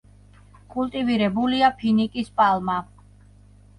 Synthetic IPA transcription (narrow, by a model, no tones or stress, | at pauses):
kʰʼulˠt̪ʼiviɾɛbuliapʰinikʼispʼalˠma